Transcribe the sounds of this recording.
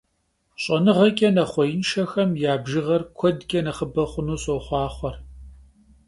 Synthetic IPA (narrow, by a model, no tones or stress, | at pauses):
ɕʼɐnɨʁɐkʲʼɐnɐχʷɔjɪnʃɐxɐmjaːbʒɨʁɐrkʷʰɔdkʲʼɐnɐχəbɐχʷʊnuːɕʼoχʷɑːχʷɔr